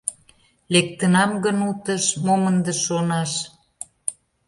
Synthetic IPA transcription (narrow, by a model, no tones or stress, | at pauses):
lek̚t̪ənɑmɡənut̪əʃmomənd̪əʃonɑʃ